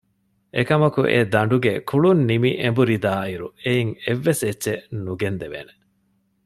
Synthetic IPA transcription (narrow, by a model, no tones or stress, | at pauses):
ʔekɐmɐkuʔḛd̪ɐɳɖuɡekʰuɭunːimiʔembuɾid̪aːiɾueiŋeʋːeset͡ʃːʃenuɡend̪eʋḛːne